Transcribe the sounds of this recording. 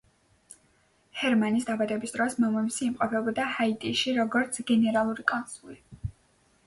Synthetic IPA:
hɛɾmanisd̪abad̪ɛbisd̪ɾɔsmɔmɔmisiːmqʼɔpʰɛbɔd̪ahait̪ʼiʃiɾɔɡɔɾt̪sʰɡɛnɛɾalˠuɾikʼɔnsuli

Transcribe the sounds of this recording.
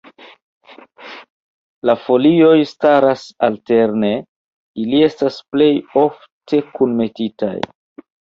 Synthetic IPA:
lafo̞lio̞jstaɾasalte̞ɾne̞ | ilie̞stasple̞jo̞f | tʰe̞kunme̞tita̰j

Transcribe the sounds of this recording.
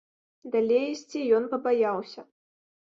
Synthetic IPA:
d̪alʲejisʲt͡sʲijɔnpɐbajawsʲɐ

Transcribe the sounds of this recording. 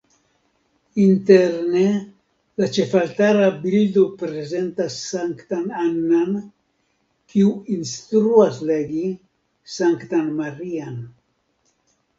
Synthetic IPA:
int̪eɾne | lat͡ʃefalt̪aɾabild̪opɾezent̪asaŋkt̪ananːan | kiwinst̪ɾuasleɡi | saŋkt̪anmarian

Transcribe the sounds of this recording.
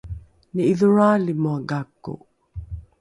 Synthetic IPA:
niiðuɻaːlimuaɡakːṵ

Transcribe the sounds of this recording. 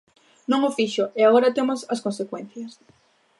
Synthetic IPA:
nõŋofiʃoeaɣoɾɐt̪emosɐskonsekwẽn̟θjɐs

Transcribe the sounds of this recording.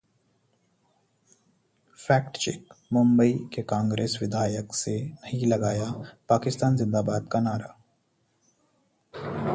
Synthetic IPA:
fɛːkʈt͡ʃḛːkmʊ̃mbəikekãːŋɡɾeːsʋɪd̪ʱaːjəksenɐɦĩlɐɡaːjapaːkɪst̪aːnzɪ̃nd̪aːbaːd̪̚kanaːɾaː

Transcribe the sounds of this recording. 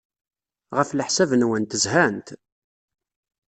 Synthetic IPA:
ʁəfləħsævənwənt̪əzhænt̪

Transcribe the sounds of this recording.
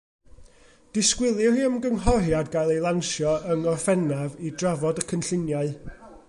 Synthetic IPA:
d̥ɪskwɪlˠɨhiːəmɡənɦɔrjadɡajlˠejlˠanʃjɔəŋɔrfɛnavidravɔdəkʰənɬɪnjaɨ

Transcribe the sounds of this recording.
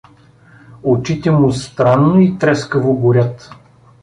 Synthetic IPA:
ot͡ʃit̪ɛmʊst̪ɾanːoit̪ɾɛskəvoɡʊɾʲat̪

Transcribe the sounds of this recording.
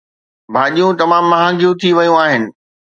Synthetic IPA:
bʱaːɗijũt̪ɐmãːmːɐɦãːŋɡijũt̪ʰiʋɐjũaːɦɪnɪ̆

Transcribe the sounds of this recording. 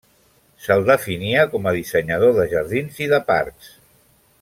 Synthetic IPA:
səlˠd̪əfiniəkɔməðisəɲəð̞oðəʒəɾðinziðəpa̰ɾks

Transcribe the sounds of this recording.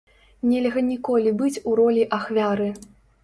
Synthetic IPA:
nʲɛlʲɣɐnʲikɔlʲibɨt͡sʲuɾɔlʲiʔaxvʲaɾɨ

